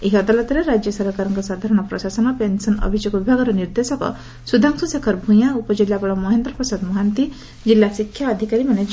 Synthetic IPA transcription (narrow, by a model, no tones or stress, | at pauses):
eɦiʌd̪alɔt̪ɾeɾad͡ʒjɔsɔɾɦɔkaɾɔŋkɔsad̪ʱaɾɔɽ̃ɔpɾɔsasɔnɔpensɔnʌ̰bʱid͡ʒjoɡɔbibʱaɡɔɾɔniɾd̪esɔkɔ̰ | sud̪ʱaŋsusekʰɔɾbʱũj̃aupɔd͡ʒilːabɔɭɔmɔɦend̪ɾɔpɔsad̪mɔɦant̪i | d͡ʒilːasikʰjaːd̪ʱikaɾimaned͡ʒ